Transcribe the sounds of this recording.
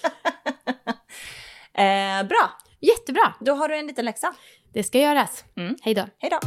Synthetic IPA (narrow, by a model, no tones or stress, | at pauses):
ɛbɾɑː | jɛt̪ːəbɾɑːd̪ɔɦaɖɵɛniːt̪ənlɛksa | d̪̥ɛskajœːɾashɛjd̪oːhɛjd̪o